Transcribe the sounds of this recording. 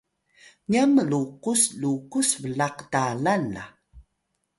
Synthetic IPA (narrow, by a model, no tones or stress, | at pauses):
ɲiaməluqusluqusvəlaqdalanla̰